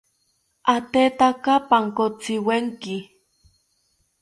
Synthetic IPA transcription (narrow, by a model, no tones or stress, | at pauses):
at̪et̪akapaŋkot͡siweŋki